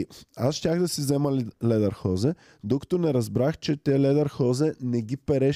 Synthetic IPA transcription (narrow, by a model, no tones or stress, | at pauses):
a̰sʃt̪ʲaɣd̪ɐsizɛmɐlɛd̪ɐɾxɔzɛ | d̪okɐ̥t̪onɛɾɐzbɾaxt͡ʃɛt̪ɛlɛd̪ɐɾxɔzɛnɛɡipɛɾɛ